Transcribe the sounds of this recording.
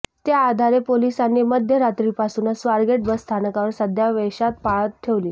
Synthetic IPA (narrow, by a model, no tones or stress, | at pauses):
t̪jaːd̪ʱaɾepolisanːiməd̪ʱjəɾat̪ɾiːpasuːnəsʋaɾɡeʈ̚bəst̪ʰanəkaʋəɾsəd̪ʱjaʋeɕat̪̚paɭət̪tʰːeʋliː